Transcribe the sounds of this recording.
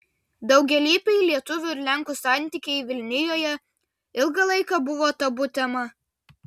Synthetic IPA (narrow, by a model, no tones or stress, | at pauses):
d̪ɒʊɡʲɛlʲiːpʲɛɪlʲiɛt̪ʊʋʲʊɪɾʲlʲæˑŋˑkusɑˑnʲt̪ʲiˑkʲɛɪʋʲɪlʲnʲɪjoːjɛ | ɪlˠɡɐlˠɐɪkɐbʊʋoːt̪ɐbʊt̪ʲɛmɐ